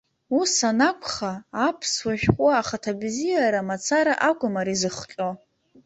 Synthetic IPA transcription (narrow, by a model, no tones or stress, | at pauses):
usanakʷʰχaːpʰswaʒᶣχʷʼaːχatʰabzijaɾamat͡sʰaɾaʔakʷʼʊmaɾizɨχqʲʼo